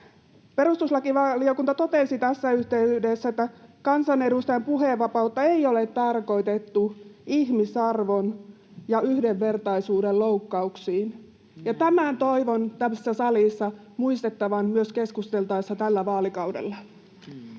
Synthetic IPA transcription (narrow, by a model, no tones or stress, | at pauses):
pe̞rust̪uslɑkiʋɑliokunt̪ɑt̪o̞t̪esit̪æsːæyht̪eydesːæet̪ːækɑnsɑne̞dust̪ɑjɑmpuɦeʋːɑpɑut̪ːɑeijolet̪ːɑrko̞it̪et̪ːuihmisɑrʋo̞n | jɑyhdeʋːe̞rt̪ɑisuːdelloukːɑuksiːn | jɑt̪æmænt̪o̞iʋont̪æmːøsesːæsɑlisːɑ | muist̪et̪ːɑʋɑnmyøskeskust̪e̞lt̪ɑisːɑt̪ælːæʋɑːlikɑudḛlːɑ